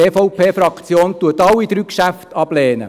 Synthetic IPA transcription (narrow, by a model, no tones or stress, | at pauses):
eːfɔʊpʰeːfɾɑkt͡sjoːntuətɑwːid̪ɾyːkʃæftɑb̥lɛːnə̰